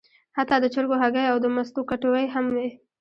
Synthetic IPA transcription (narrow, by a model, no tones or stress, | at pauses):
hat̪ɑd̪ət͡ʃəɾɡoɦaɡəjawd̪əmast̪okaʈowəjɦamwi